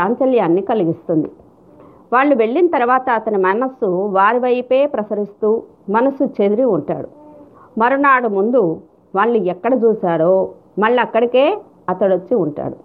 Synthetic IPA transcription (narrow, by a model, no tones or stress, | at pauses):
aːnt͡ʃɐljaːnːikɐliɡist̪und̪i | ʋaːɭːuʋe̞ɭːinɐt̪ɐɾuʋaːt̪ɐːt̪ɐnimɐnɐsːuʋaːɾiʋɐjpe̞ːpɾɐsɐɾist̪uː | mɐnɐsut͡ʃed̪iɾiuɳʈa̰ːɽu | mɐɾonaːɽumund̪u | ʋaːɭːuɛkːɐɽɐt͡ʃuːsaːɽoː | mɐɭːɐɐkːɐɽike̞ː | ɐt̪ɐɽot͡ʃːiuɳʈa̰ːɽu